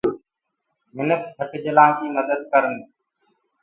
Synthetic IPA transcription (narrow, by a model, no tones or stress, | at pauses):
ɦɪnəktʰəʈd͡ʒəlãːd͡ʒiːməd̪əd̪̚kəɾənː